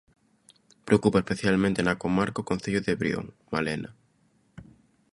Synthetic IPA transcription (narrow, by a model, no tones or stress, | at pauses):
pɾeokupaespeθjalmẽnt̪enɐkomaɾkaokonθeʎoðeβɾj̰o̰ŋ | malenɐ̰